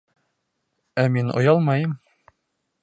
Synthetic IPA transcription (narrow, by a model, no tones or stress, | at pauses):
æminʔŏ̰jɑlˠmɑjɤm